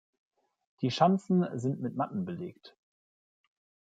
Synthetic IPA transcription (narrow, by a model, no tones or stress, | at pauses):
d̥iːʃant͡sn̩zɪntmɪtmatn̩bəleːkt